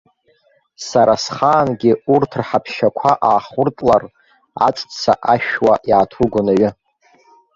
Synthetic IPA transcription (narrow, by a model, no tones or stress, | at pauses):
saɾasχaːnɡʲɪurtʰrħapʰʃakʷʰaʔaːχʊrtʼlar | a̰t͡sʼt͡sʰa̰ʔaʃᶣwaʔiʕatʰuɡʷʊnaɥɪ